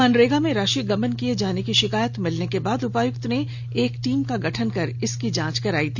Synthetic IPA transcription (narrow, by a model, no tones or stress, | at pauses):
ənɾeːɡamẽɾaːʃiɡɐmənkied͡ʒaːnekiʃɪkaːjət̪mɪlnekebaːd̪ʊpaːjʊkt̪ne | eːkʈiːmkaɡɐʈʰənkɐɾɪskid͡ʒãːt͡ʃkɐɾaːit̪ʰi